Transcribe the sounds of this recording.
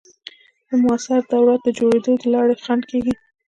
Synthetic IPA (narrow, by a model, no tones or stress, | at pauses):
d̪əmʊasaɾd̪awɾat̪̚d̪əd͡ʒoɽed̪od̪əlɑɽexankeɡi